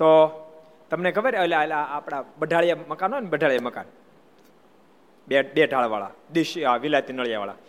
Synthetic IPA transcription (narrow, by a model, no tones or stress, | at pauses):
t̪o | t̪əmnekəbəɾəlaelaːpɽ̃abəɖʱaɭjaməkanɦonbəɖʱaɭjaməka̰n | ebeɖʱaɭʋaɭa̰d̪iʃaʋilat̪inəɭjaʋa̰ɭa̰